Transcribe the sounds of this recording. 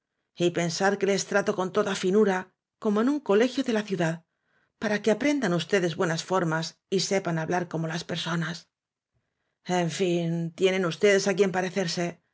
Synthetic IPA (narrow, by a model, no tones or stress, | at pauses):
ipe̞nsaɾke̞le̞st̪ɾat̪o̞ko̞nt̪o̞ðafinuɾa | ko̞mo̞e̞nuŋko̞le̞xjo̞ðe̞laθjuðað | paɾake̞apɾe̞nd̪anust̪e̞ðe̞zβwe̞nasfo̞ɾmas | ise̞panaβlaɾko̞mo̞laspe̞ɾso̞nas | e̞ɱfint̪je̞nẽ̞nust̪e̞ðe̞sakie̞mpaɾe̞θe̞ɾse̞